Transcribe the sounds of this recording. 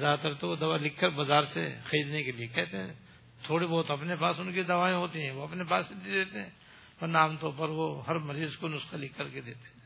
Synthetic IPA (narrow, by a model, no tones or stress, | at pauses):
zaːt̪ɐɾt̪oʋod̪ɐʋalɪkʰːəɾbɐzaːɾsḛxɐɾiːd̪nekeliekɛɦt̪eɦɛ̰̃ | t̪ʰoːɽibɔːt̪oɐpnepaːsʊnkid̪ɐʋaːẽɦoːt̪iɦɛ̃ʋoɐpnepaːset̪id̪eːt̪eɦɛ̃ː | pɐnaːmt̪õpɐɾʋoɦɐɾmɐɾiːzkonʊsqalɪkʰːəɾked̪eːt̪e̥ɛ̃ː